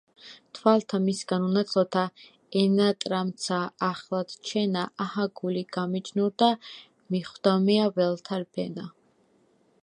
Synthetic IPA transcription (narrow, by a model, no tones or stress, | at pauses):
t̪ʰwalt̪ʰamisɡanunat̪sʰʼlɔt̪ʰa | ɛnat̪ʼɾamt̪sʰaːχlˠad̪̥t͡ʃʰɛnaʔahaɡuliɡamid͡ʒnuɾd̪a | miχwd̪amiavɛlˠt̪ʰaɾbʰɛna